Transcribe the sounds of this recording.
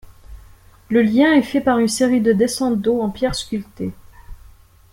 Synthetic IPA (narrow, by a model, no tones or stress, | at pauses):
ləljɛ̃ɛfɛpaʁynseʁid̪əd̪esɑ̃t̪̚d̪oɑ̃pjɛʁskʲylt̪e